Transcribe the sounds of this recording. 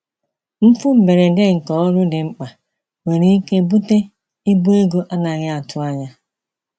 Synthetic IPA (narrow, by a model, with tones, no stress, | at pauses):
m̩˦fu˦m̩˨me˨ɾe˨de˦ŋ̩˨kɔ˦ɔ˦ɾʊ˦dɪ˨ŋ͡m̩˦k͡pa˨ | we˨ɾi˦i˦ke˦bu˦te˦ | i˦bu˦e˦ɡo˦ʔa˦na˨ɣɪ˦a˨tʰʊ˦a˦ɲa˦